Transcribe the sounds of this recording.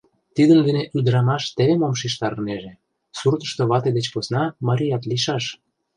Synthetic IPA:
t̪id̪ənd̪eneʔyd̪əɾɑmɑʃt̪eβemomʃ̬iʃt̪ɑɾneʒe | surt̪ə̥̆ʃt̪oβɑt̪ed̪et͡ɕposnɑmɑɾʲijɑt̪liʃɑʃ

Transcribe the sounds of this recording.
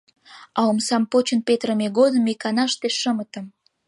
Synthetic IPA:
ɑomsɑmpot͡ɕənpet̪rəmeɣod̪əmikɑnɑʃt̪eʃəmət̪ə̆m

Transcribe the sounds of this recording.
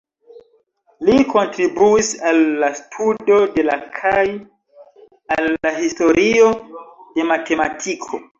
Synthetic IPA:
liko̞ntɾibuisalːastʰudo̞de̞la̰kʰaj | alːaɦisto̞ɾʔio̞de̞mate̞matʰikʰo̞̰

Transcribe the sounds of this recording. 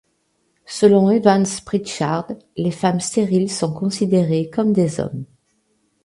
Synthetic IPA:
səlɔ̃evãnspχit̪ʃaʁd̪lefamst̪eʁilsɔ̃kɔ̃sid̪eʁekɔmd̪ezɔ̰m

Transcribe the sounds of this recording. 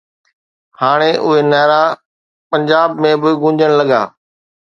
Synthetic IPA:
haːɽ̃eʔʊɦenɛːɾa | pɐ̃ɲd͡ʑaːbmẽbɪɡʊ̃ɲd͡ʑʱəɽ̃lɐɠa̰ː

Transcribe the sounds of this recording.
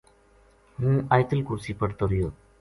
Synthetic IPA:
ɦũːaːjɪt̪əlkʊɾsiːpəɽt̪oːɾɪjoː

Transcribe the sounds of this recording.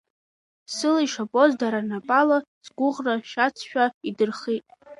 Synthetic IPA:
sɨlaiʂapʼozdaɾanapʼalazɡʷʊʁraʃat͡sʰʃᶣaidɨrχitʼ

